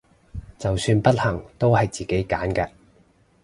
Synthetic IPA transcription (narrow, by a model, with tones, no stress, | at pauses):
t͡sɐ˨wsyː˧npɐ˥t̚hɐ˨˩ŋt̪o˥whɐ˨jt͡siː˨ke˨˥jkaː˨˥nkɛː˧